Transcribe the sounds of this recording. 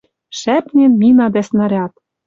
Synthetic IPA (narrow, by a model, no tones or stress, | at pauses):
ʃæpnʲĕnmʲinɑd̪æsnɤ̆ɾʲɑt̪